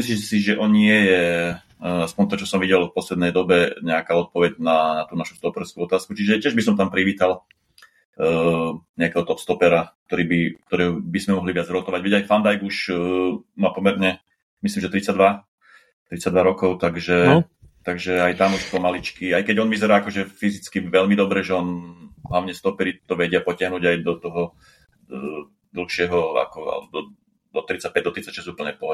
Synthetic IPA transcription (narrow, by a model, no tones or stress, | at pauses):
mis̬litɛsiʒɛʔɔnɲɪɛjɛ | aspɔnt̪ɔt͡ʃɔsɔmʋiɟɛlfpɔslɛd̪nɛjd̪ɔbɛɲɛakaːɔt̪̚pɔʋɛɟnat̪uːnaʃu̥st̪ɔpɛɾskuɔt̪aːskut͡ʃiʒɛcɪɛʒbisɔmt̪ampɾiʋiːt̪al | ɲɛakɛɦɔt̪ɔpst̪ɔpɛɾak̚t̪ɔɾiːbik̚t̪ɔɾɛbizmɛmɔɦliʋɪad͡zɾɔt̪ɔʋaɟʋɛɟajfand̪ajɡuʃ | mapɔmɛɾɲɛ | mislimʒɛt̪ɾit͡saɟd̪ʋa | t̪ɾit͡sad̪ʋaɾɔkɔʊt̪aɡʒɛ | t̪aɡʒɛajt̪amuʃpɔmalit͡ʃkiajkɛɟɔnʋizɛɾaːakɔʒɛfizit͡skiʋɛʎmid̪ɔbɾɛʒɛɔnɦlaʊɲɛst̪ɔpɛɾit̪ɔʋɛɟɪapɔcɪaɦnuːɟajd̪ɔt̪ɔɦɔ | d̪l̩ˠxʃɪɛɦɔa̰kɔa̰ld̪ɔ | d̪ɔt̪ɾit͡sac̚pɛɟ̚d̪ɔt̪ɾit͡sacʃɛzupl̩ɲɛpɔ